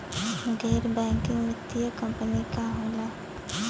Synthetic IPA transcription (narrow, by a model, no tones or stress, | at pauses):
ɡɛːɾbɛ̃ːŋkɪ̃ŋɡnɪt̪ːijəkɐ̃mpənikaɦoːna